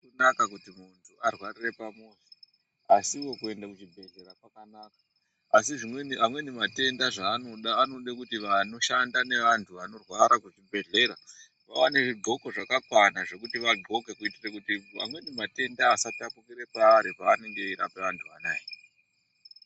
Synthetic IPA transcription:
nakakutimuntʰuarwarire̞pamose̥ | asiwo̞kue̞ndakut͡ʃibʱe̞ɮe̞ɾapakanakḁ | asiʐimwe̞namwe̞nimate̞ndaʐaːno̞ɗaːnoɗekutiʋano̞ʃandane̞ʋantʰuʋano̞rwaɾakut͡ʃibʱe̞ɮe̞ɾa | ʋawaneʐiɡʱo̞ko̞ʐakakwanaʐe̞kutiʋaɡʱo̞ke̞kuitirekutia̰mwe̞nimate̞ndaːsapiapumɡiɾepaːɾepaːne̞ŋɡe̞iɾapeʋantʰuʋanaːji

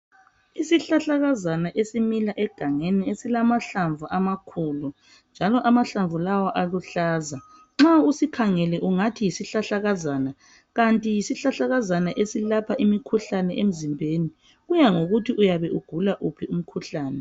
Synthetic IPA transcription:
isiɬaɬaɣazanaʔesimilaʔɛɡ̥ʱaŋeniesilamaɬaɱvuʔamakʰuːlu | nd͡ʒʱalɔʔamaɬaɱvʱulawaʔaluɬaːza | ŋ͡ǁausikʰaŋɛlɛʔuŋatʰijisiɬaɬaɣazaːna | ɣantʼijisiɬaɬaɣazanaʔesilapʰaʔimikʰuɬanɛʔem̩zimbʱeːni | ɣujaŋoɣutʰiʔujaβɛʔuɡ̥ʱulaʔupʰium̩kʰuɬaːnɛ

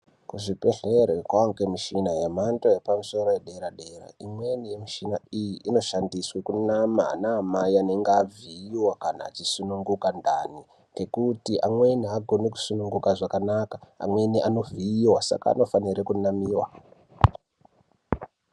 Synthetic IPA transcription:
kuʐipeɮeɾekwaŋkemiʃinajemantojepamuso̞ɾo̞jeɗeɾaɗe̞ra̰imwe̞nijemiʃinaijiʔino̞ʃandiswekunama̰ːnaːmaiane̞ŋɡaviiwakana̰ːt͡ʃisunuŋɡukandani | ŋekutiamwe̞niaɡʱo̞neku̥sunuŋɡukaʐakanakaa̰mwe̞niʔano̞vʱiiwasa̰ka̰ːno̞faniɾekunamiːwa

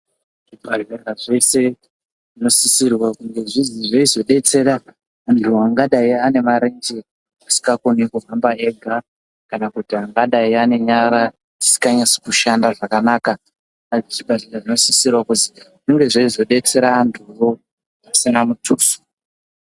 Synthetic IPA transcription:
ʐibaʐeraʐe̞se̞ | ʐino̞sisirwakuŋɡeʐiziʐeizo̞ɗe̞t͡se̞ɾaː | ntʰuaŋɡaɗaiane̞maɾend͡ʒe | asi̥kakonikuɦambae̞ɡʱa | kanakutiaŋɡaɗaiane̞ɲaɾa | ti̥si̥kaɲasi̥kuʃandaʐakanaːka | ait͡ʃibaʐiraʐino̞sisirwakuziʐiŋɡe̞ʐeizo̞ɗe̞t͡se̞ɾaːntʰuro | asinamutʰuːsu̥

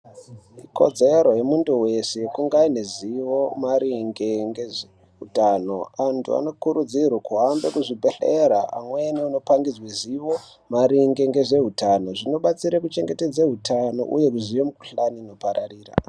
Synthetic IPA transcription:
iko̞̰d͡ze̞ɾo̞jemunduwe̞sekuŋɡaineziwo̞maɾiŋɡeŋɡeʐe | ɦutano̞antʰṵa̰no̞kuɾud͡zirwakuɦambekuʐibʱeɬeɾaamweniuno̞paŋɡid͡zwiziʋo̞ | maɾiŋɡeŋɡe̞ʐe̞ɦutano̞ʐino̞ɓat͡siɾakut͡ʃe̞ŋɡe̞te̞d͡zaɦutʰano̞̰ʔṵje̞kuʐiʋemuku̥ɬanino̞paɾʔariːra̰

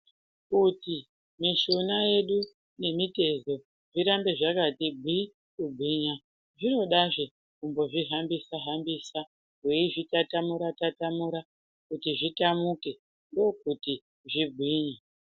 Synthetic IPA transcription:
kuti | miʃo̞naje̞ɗu | ne̞mite̞zo̞ | ʐiɾambe̞ʐakatibʱwi | kubʱwiɲa | ʐino̞ɗaʐe | kumbo̞ʐiɦambisaɦambisa | ɦweiʐitatamuɾatatamuɾa | kutiʐitamuke̞ | ndo̞kuti | ʐiɡʱwiːɲe

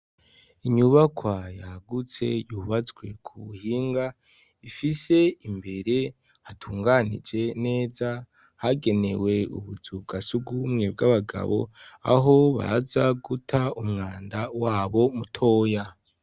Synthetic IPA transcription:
iɲuβakwajaɡut͡se̞juβazɡwe̞kʰuβuhiːŋɡa | ifise̞imbe̞ɾe̞ | hatʰuːŋɡanḭd͡ʒe̞ne̞ːza | haɡe̞ne̞we̞ṵβuzub̚ɡasuɡumŋe̞b̚ɡaβaɡa̰βo̞̰a̰ɦo̞βa̰zaɡutʰaumŋaːndawaːβomutʰo̞ːja

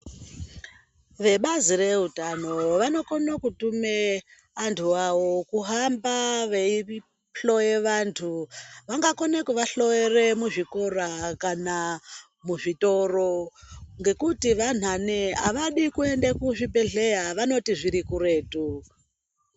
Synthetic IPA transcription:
ʋe̞ɓazire̞utano̞ʋano̞konokutume | antʰuaʋo̞kuɦambaʋei | ɬo̞jeʋantʰuʋaŋɡako̞nekuʋaɬo̞jere̞muʐikorakana | muʐito̞roŋɡe̞kutiʋan̤anea̰ʋaɗikue̞ndekuʐipe̞ɮejaʋano̞tiʐiɾikuɾe̞ːtu

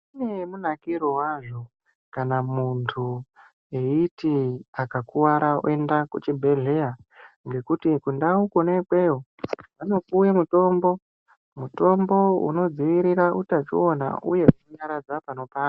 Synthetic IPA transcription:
une̞munakiɾowaʐo̞ | kanamuntʰu | e̞itiakakuwaɾao̰e̞ndakut͡ʃibʱe̞ɮe̞aŋɡe̞kutikundaukonekweo | ano̞kuwemuto̞ːmbo̞ | muto̞mbo̞ṵno̞d͡ziʋiɾiɾaʔutat͡ʃio̞na̰ṵje̞uoɲaɾad͡zapano̞paː

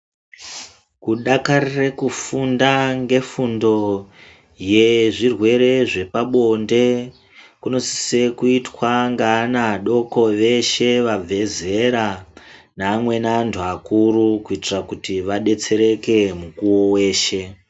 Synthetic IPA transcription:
kuɗakarirekufundaŋɡe̞fundo̞ | jeʐirwe̞ɾe̞ʐe̞paɓo̞nde̞ | kuno̞si̥se̞kuitwaŋɡaːnaɗo̞ko̞ʋe̞ʃe̞ʋab͡vʱe̞ze̞ɾa | naːmwe̞naːntʰuakuɾukuitirakutiʋaɗe̞t͡se̞ɾe̞ke̞mukuwowe̞ːʃe̞

